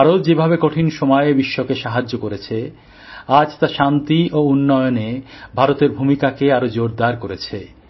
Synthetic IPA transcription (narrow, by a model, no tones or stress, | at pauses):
aɾot̪̚d͡ʑebʱabekoʈʰinʃɔmɔebiʃːokeʃaɦad͡ʑːokoɾet͡ɕʰe | ad͡ʑt̪aʃant̪iounːɔjonebʱaɾot̪eɾbʱumikakeaɾod͡ʑoɾd̪aɾkoɾet͡ɕʰe